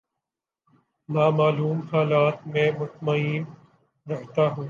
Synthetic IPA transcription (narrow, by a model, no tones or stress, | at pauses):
naːmaːluːmhaːlaːt̪mẽmʊt̪məiːn | ɾɐɦt̪aɦũː